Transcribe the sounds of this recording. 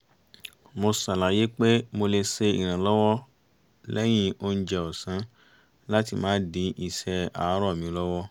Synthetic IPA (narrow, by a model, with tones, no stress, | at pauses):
mo˧sa˨la˨je˨˦k͡pe˦mo˧le˧se˧ḭ˨ɾ̃ã˨lɔ˦wɔ˦ | lɛ˦j̃ĩ˦o˦n̩˦d͡ʒɛ˧ɔ˨sã˨˦ | la˦ti˧mãː˨˦dĩ˨˦ʔi˧sɛ˧a̰˨˦ɾɔ˦˨mĩ˨˦lɔ˦wɔ˦